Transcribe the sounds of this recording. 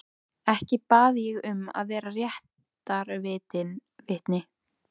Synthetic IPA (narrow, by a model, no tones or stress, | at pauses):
ɛhcɪpaːðjɛɣʏma̰ðvɛːɾarjɛht̪ | aɾvɪːt̪ɪnvɪht̪nɪ